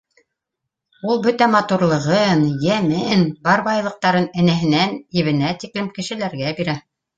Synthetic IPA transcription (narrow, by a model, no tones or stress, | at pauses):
ulˠbɵt̪æmɑt̪uɾlˠɤ̆ʁɤnjæmɘnbɑɾbɑjlˠɤ̆q̚t̪ɑɾɤnɘ̆næɦɘ̆nænjɘ̆βɘ̆næt̪iklɘmkɘ̆ʃɘ̆læɾɡæbiɾæ